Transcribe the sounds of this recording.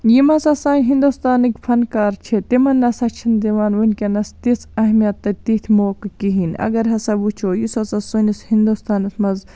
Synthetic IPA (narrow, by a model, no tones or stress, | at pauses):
jimɐsɐsaːnɦind̪ust̪aːnikʲpʰɐnkaːɾt͡ʃʰet̪imɐnːɐsɐt͡ʃʰind̪iʋaːnʋunʲkʲɐnɐst̪isɐɦmijɐt̪ːɐt̪it̪ʰʲmoːkkiɦinɐ̰ɡɐɾɦɐsɐbut͡ʃʰoːjisɐsɐsunishind̪ust̪aːnɐsmɐz